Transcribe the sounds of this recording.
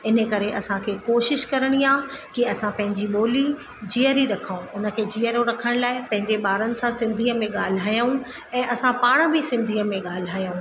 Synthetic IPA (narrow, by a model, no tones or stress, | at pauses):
ɪnəkɐɾeʔɐsãkʰeːkoːʃɪʃkɐɾəɽ̃iaːkiɐsãpɐ̃ɦɪ̃ɲd͡ʑiɓoːli | d͡ʑiəɾiɾɐkʰaũʊnə̆kʰeːd͡ʑiːəɾoɾɐkʰəɽ̃laːɪpɐ̃ɦɪ̃ɲd͡ʑeɓaːɾənɪ̆sãsɪ̃nd̪ʱiːəmẽɠaːl̤ɪɦaːjaũ | ɛ̃ːʔɐsãpaːɽ̃bɪsɪ̃nd̪ʱiːəmẽɠaːl̤ɪɦaːjũː